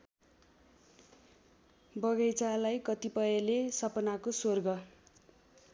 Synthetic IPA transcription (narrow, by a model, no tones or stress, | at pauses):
bʌɡʌjt͡salajkʌt̪ipʌjelesʌpʌnakosorɡʌ